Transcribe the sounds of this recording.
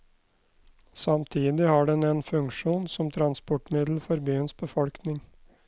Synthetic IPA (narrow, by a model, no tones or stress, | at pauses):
sɑmt̪ʰiːd̪ɪhɑɖɛnɛnfʉŋkʂuːnsɔmt̪ʰɾɑnspɔʈmɪd̪l̩fɔɾbyːənsbəfɔlknɪŋ